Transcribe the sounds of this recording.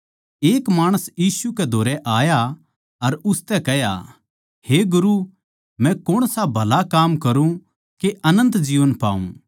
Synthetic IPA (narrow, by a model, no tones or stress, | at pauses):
eːkmaːɽ̃əsjiːsukɛd̪ʱoːɾɛʔaːja | ɐɾʊst̪ɛkɛɦja̰ | heɡʊɾu | mɛ̃kʊɽ̃sabʱɐlakaːmkɐɾũ | keʔɐnə̃nt̪d͡ʒiːʋənpa̰ːṵ̃